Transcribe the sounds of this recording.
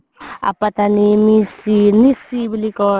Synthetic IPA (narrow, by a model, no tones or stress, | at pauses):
a̰pɐt̪animisinisibilikɔ